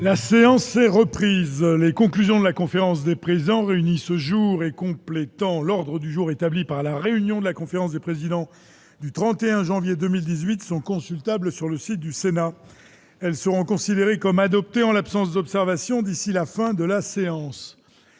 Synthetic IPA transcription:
laseɑ̃sɛʁəpχizlekɔ̃klyzjɔ̃d̪əlakɔ̃feʁɑ̃s̬d̪epχezid̪ɑ̃ʁeynisəʒuʁekɔ̃plet̪ɑ̃lɔʁd̪ʁəd̪yʒuʁet̪ablipaʁlaʁeynjɔ̃d̪əlakɔ̃feʁɑ̃s̬d̪epχezid̪ɑ̃ | d̪yt̪χɑ̃t̪eɛ̃ʒɑ̃vjed̪əmild̪izɥit̪sɔ̃kɔ̃sylt̪ablsyʁləsit̪̚d̪ysena | ɛlsəʁɔ̃kɔ̃sid̪eʁekɔmad̪ɔp̚t̪eɑ̃lapsɑ̃sd̪ɔpsɛʁvasjɔ̃d̪isilafɛ̃d̪əlaseɑ̃s

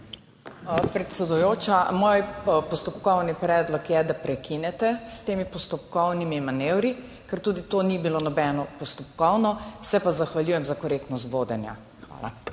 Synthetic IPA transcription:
pɾɛt̪sɛd̪ujoːt͡ʃamoːjpɔst̪ɔpkɔwnipɾɛːd̪lɔkjɛd̪apɾɛkinɛt̪ɛst̪eːmipɔst̪ɔpkɔwnimimanewɾi | kɛɾt̪uːd̪it̪oːnibilonɔbɛːnɔpɔst̪ɔpkɔwnɔsɛpazaxʋaljuːjɛmzakɔɾeːk̚t̪nɔs̬t̪ʋoːd̪ɛnja̰ | xʋa̰ːla̰

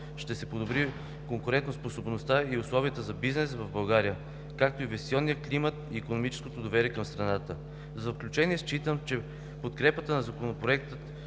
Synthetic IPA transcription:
ʃt̪ɛsɛpod̪obɾi | koŋkʊɾɛnt̪nosposobnost̪aiʊslˠɔviət̪əzɐbiznɛsvɐvbɐlˠɡaɾiə | kak̚t̪oivɛst̪iɔnːijəklimət̪iːkonomit͡ʃɛ̥sko̥t̪od̪ovɛɾiɛkɐmst̪ɾɐnat̪ə | zɐfklʲut͡ʃɛniɛst͡ʃit̪əmt͡ʃɛ | pot̪kɾɛpət̪ənɐzɐkonopɾoɛk̚t̪ət̪

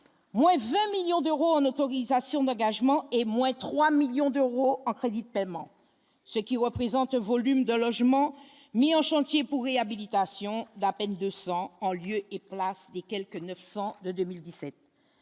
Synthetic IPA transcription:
mwɛ̃vɛ̃miljɔ̃d̪øʁoɑ̃not̪oʁizasjɔ̃d̪ɑ̃ɡaʒmɑ̃emwɛ̃t̪χwamiljɔ̃d̪øʁoɑ̃kχed̪id̪əpɛmɑ̃ | səkʲiʁəpχezɑ̃t̪ɛ̃vɔlymd̪əlɔʒmɑ̃ | miɑ̃ʃɑ̃t̪jepuʁːeabilit̪asjɔ̃d̪apɛnd̪øsɑ̃ɑ̃ljøeplasd̪ekʲɛlkənœfsɑ̃d̪əd̪ømild̪isɛt̪̚

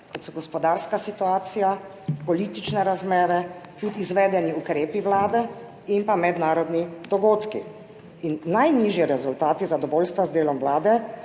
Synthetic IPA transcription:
kɔt̪sɔɡɔspɔd̪aːɾskasit̪uaːt̪sija | pɔliːt̪it͡ʃnɛɾazmɛːɾɛt̪ut̪izʋɛːd̪ɛniukɾeːpiʋlaːd̪ɛ | impamɛd̪naːɾɔd̪nid̪ɔɡoːt̪kḭ | innajniːʒjɛɾɛzult̪aːt̪izad̪ɔʋɔːlst̪ʋazd̪eːlɔmʋlaːd̪ɛ

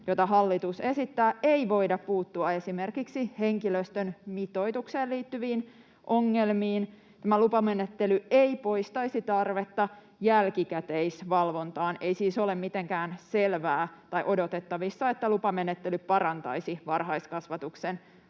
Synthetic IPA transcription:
jot̪ɑɦɑlːit̪use̞sit̪ːæːeiʋo̞idɑppuːt̪ːuɑe̞sime̞rkiksiheŋkiløst̪ønmit̪o̞jt̪ukseːliːt̪ːyʋiːn | ʔo̞ŋːelmiːn | tt̪æmælupɑme̞net̪ːelyeipo̞ist̪ɑisit̪ɑrʋet̪ːɑ | jælkikæt̪eisʋɑlʋo̞nt̪ɑːne̞isiːso̞lemmit̪eŋkæːnselʋæːt̪ɑjʔo̞dot̪et̪ːɑʋisːɑet̪ːælupɑmenet̪ːelypɑɾɑnt̪ɑ̰jsiʋɑrɦɑjskɑsʋɑt̪uksen

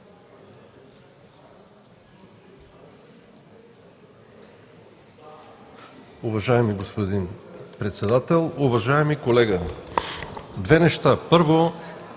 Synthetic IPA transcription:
uvɐʒaɛmiɡospod̪inpɾɛt̪sɛd̪at̪ɛlˠuvɐʒaɛmikolɛɡə | d̪vɛnɛʃt̪apɤɾvo

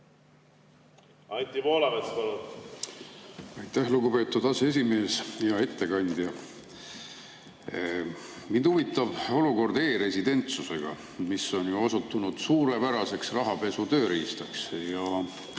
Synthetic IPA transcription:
ɑnʲt̪ʲimoːlɑmespɑlun | ɑjt̪ːˑæhluɡupe̞ːt̪ːˑud̪ɑsee̞s̬ime̞ːsjɑe̞t̪ːe̞kɑnʲd̪̥jɑ | mind̪̥uvit̪ːɑb̥o̞luko̞rd̪e̞ːɾe̞sid̪e̞nt̪suse̞ɡ̥ɑ̰ | misːo̞njuosut̪ːˑunud̪̥suːɾepæɾɑse̞ksrɑɦɑpe̞sut̪ø̞ːɾiːst̪ɑksjɑ

